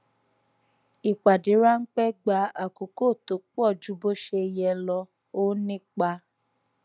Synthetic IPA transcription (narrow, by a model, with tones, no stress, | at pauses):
i˨k͡pa˨di˨˦ɾa˦ŋ̩˦k͡pɛ˦ɡ͡ba˧˦a˦˨ko˨ko˦˨to˨˦k͡pɔ˦˨d͡ʒu˨˦bo˦ʃe˧jɛ˧lɔ˧ | o˦nĩ˦k͡pa˧